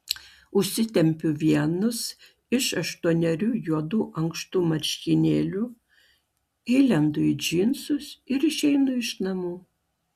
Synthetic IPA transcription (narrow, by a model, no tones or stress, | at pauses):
ʊʃʲsʲɪt̪ʲɛmʲpʲʊʋʲiɛnʊs | ɪʃɐʃt̪uɔnʲɛɾʲuːjuɔd̪uːʔɐŋkst̪uːmɐɾʲʃʲkʲiːnʲeːlʲu | ɪlʲɛnd̪ʊɪd͡ʒʲɪnsʊsɪɾɪʃʲɛɪnʊɪʃnɐmuː